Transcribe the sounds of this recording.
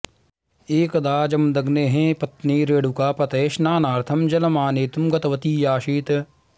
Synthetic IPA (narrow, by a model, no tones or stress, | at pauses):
eːkɐd̪aːd͡ʒɐmd̪ɐɡneɦẽːpɐt̪neːɾeːɽukaːpɐt̪eːʃnaːnaːɾt̪ʰɐmd͡ʒɐlɐmaːneːt̪umɡɐt̪ɐʋɐt̪iːjaːʃiːt̪